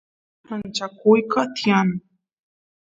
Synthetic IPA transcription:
ant͡ʃakʊjkat̪ian

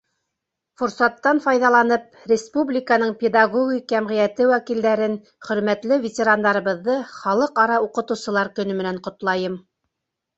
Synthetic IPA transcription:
fʊɾsɑt̪ːɑnfɑjðɑlˠɑnɤp̚rʲɪspublʲɪkənɤɴpʲɪd̪aɡoɡʲikjæmʁĭjæt̪ɘwækild̪æɾɘn | χɵ̆ɾmæt̪lɘvʲɪtʲɪɾand̪ɑɾɤ̆βɤ̆ðːɤχɑlˠɤqɑɾɑuqɤ̆t̪ɤ̆wsɤ̆lˠɑɾkɵ̆nɵmɘ̆næɴqŏt̪lˠɑjɤm

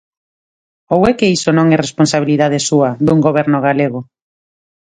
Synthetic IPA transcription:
owɛkeisonõŋɛresponsaβ̞iliðaðesuɐðuŋɡoβ̞ɛɾnʊɣaleɣ̞o

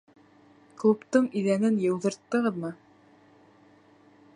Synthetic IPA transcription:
klˠupt̪ɤɴiðænɘnjɤ̆wðɤ̆ɾt̪ːɤ̆ʁɤðmɤ

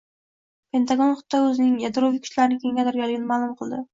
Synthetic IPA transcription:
pʰe̞nt̪ʰaɡonχʊt̪ʰːaɵzɪnɪŋjad̪ɾovikʰʊ̥ʃlaɾɪnɪkʰʲe̞ŋɡʲat̪aɾɡʲalɪɡʲɪnɪmaːlˠʊmqʰɨlˠd̪ɪ

